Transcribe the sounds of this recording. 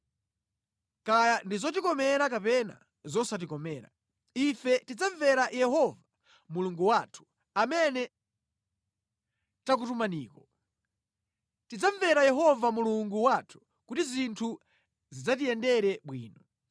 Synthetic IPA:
kajandizɔtikɔmɛɾakapɛna̰ | zɔsat̬ikɔmɛːɾa̰ | ifɛtid͡zaɱvɛɾajɛɦɔva | muluŋɡuwaːtʰu̥ | amɛnɛ | tak̬utumaniːkɔ | tid͡zaɱvɛɾajɛɦɔvamuluŋɡuwatʰu̥ | kutizintʰu | zid͡zatijɛndɛɾɛɓwiːnɔ

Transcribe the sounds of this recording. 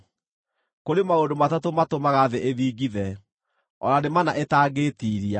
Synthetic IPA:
koɾemaondomatatomatomaɣaðeʔeðiːɡiðɛ | ɔ̰nanemanaʔetaːɡeːtiːɾia

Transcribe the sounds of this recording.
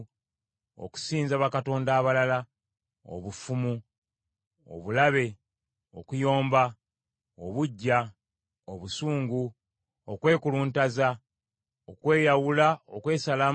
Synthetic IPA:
o̰ku̥siːnzaβakato̞ːndaːβalala | o̰βufumu | o̰βulaβe̞ | o̞̰kujo̞ːmba | oβuɟːa | oβusuːŋɡu | okwe̞ːkuluːntaza | okwe̞ːjawulaokwe̞ːsalaː

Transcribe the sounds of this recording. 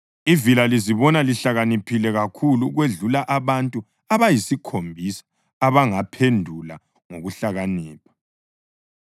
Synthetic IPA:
ivilaliziβɔnaliɬaɣanipʰilɛɣakʰuluɣweɮulaʔaβantʼu | aβajisikʰombʱisḁ | aβaŋapʰendʱula̰ | ŋoɣuɬaɣaniːpʰḁ

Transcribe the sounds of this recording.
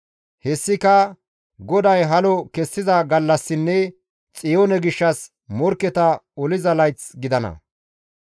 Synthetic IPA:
hɛsːɪkɐ | ɡɔd̪ɐjɦɐlɔkɛsːɪzɐɡɐlːɐsːɪnːɛ | t͡sʼɪjoːnɛɡɪʃːɐs | mɔɾkːɛt̪ɐɔlɪzɐlɐjt͡sɡɪd̪ɐnɐ̰

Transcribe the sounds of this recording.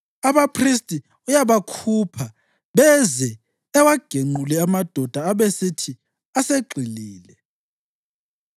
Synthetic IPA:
aβapʰris̬tʼi | ujaβakʰupʰa | βɛzɛː | waɡ̥ʱeŋ͡ǃulɛamad̥ʱɔd̥ʱaːβesitʰi | aseɡ͡ǃʱiliːlɛ

